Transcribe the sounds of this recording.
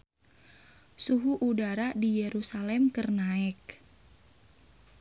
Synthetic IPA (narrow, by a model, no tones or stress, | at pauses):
suɦuʔudaɾadijɛɾusalɛmkərnaɛk̚